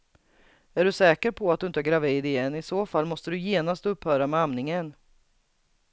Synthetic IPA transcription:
æɖɵsɛːkəɾpʰɔat̪̚d̪ɵɪnt̪əæɾɡɾaviːd̪ɪjɛnːɪsoːfalːmɔst̪əd̪ɵjeːnast̪ɵpːhœːɾamɛamnɪŋən

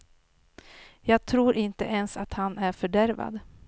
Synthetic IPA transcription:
jɑːɡ̚t̪ʰɾuːɾʔɪnt̪ə̰ʔɛnsat̪hanæɾfœɖæɾva̰d̪

